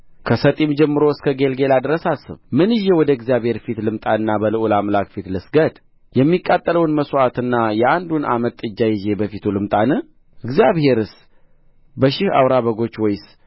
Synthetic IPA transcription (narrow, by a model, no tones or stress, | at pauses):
kʰəsət̪ʼimd͡ʒɛmːɨɾoɨskʰəɡe̞lɡe̞lad̪ɾəsasɨ̰βmɨnɨjːɛwɔd̪əɨɡzijaβhe̞ɾfit̪lɨmt̪ʼanɨnːabəlɨʔulamlakfit̪lɨsɡəd̪ | jɛmːikʼːat̪ʼːələwnməsoat̪ɨnːajɛand̪una̰mət̪ʼːɨd͡ʒːajɪze̞bəfit̪ʰulɨmt̪ʼanɨ | ʔɨɡzijaβhe̞ɾɨs | bəʃɪha̰wɾaβəɡo̞t͡ʃːwɔjs